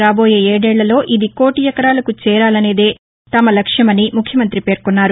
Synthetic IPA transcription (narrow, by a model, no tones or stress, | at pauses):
ɾaːbo̞ːje̞ːeːɽɛːɭːɐlo̞ːʔid̪iko̞ːʈijɐkɐɾaːlɐkut͡ʃɛːɾaːlɐne̞ːd̪e̞ː | t̪ɐmɐlɐkʂjɐmɐnimukʰjɐmɐnt̪ɾipe̞ːɾkunːaːɾu